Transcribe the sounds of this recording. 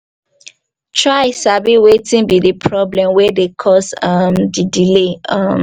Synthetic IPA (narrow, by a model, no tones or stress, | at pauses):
tʰɹaɪsabiwetĩnbidipʰɹɔblɛ̃mwɛdekʰɔsamdidileam